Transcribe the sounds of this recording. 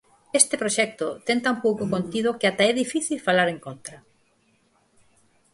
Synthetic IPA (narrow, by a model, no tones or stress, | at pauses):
est̪ɪpɾoʃɛk̚t̪ot̪ent̪aumpowkokont̪ið̞okɪat̪aɛðifiθilfalaɾeŋkont̪ɾɐ